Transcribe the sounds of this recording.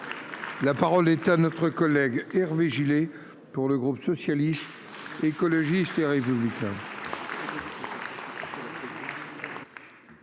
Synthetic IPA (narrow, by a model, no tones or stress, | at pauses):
lapaʁɔlɛt̪anɔt̪χəkɔlɛɡɛʁveʒile | puʁləɡʁupsɔsjalist̪ | ekɔlɔʒist̪eʁepyblikʲɛ̃